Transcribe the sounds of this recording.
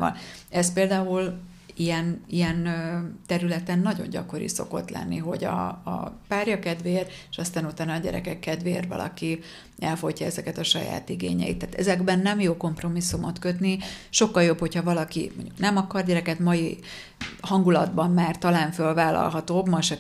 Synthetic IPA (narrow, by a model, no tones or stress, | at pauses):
vɒ̰nɛs̚peːld̪aːul | iɛnijɛnt̪ɛɾylɛt̪ɛnːɒɟo̞̰ɲɟɒko̞ɾḭso̞̰ko̞̰t̪lɛ̰nːiɦo̞̰ɟɒ̰paːrjɒkɛd̪ʋeːreʃɒst̪aːnut̪aːnɒːɟɛ̰ɾɛ̰kɛkːɛd̪veːrvɒ̰lɒ̰ki | ɛlfojcːɒɛzɛkɛt̪ɒʃɒja̰ːt̪iɡḛːɲɛ̰jḭt̪ːaːt̪ɛ̰zɛɡbɛnːɛmjoːko̞mpro̞misːumot̪køt̪niʃo̞kːɒljo̞pho̞cʰhɒvɒlɒkḭmo̰ɲɟuknɛmɒkɒrɟɛɾɛkɛt̪mɒji | hɒŋɡulɒd̪bɒmmaːrt̪ɒlaːɱfølvaːlɒ̰lɦɒt̪oːbmɒʃɛ